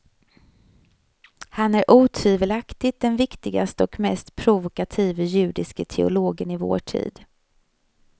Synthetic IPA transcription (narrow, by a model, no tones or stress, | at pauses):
hanæɾʔuːt̪ʰiːvəlakt̪ɪt̪̚d̪ɛnvɪkt̪ɪɡast̪əɔkmɛst̪pʰɾʊvʊkat̪ʰiːvjʉ̟ːd̪ɪskət̪ʰɛ̰ʊ̰loːɡənɪvo̰ːʈʰḭːd̪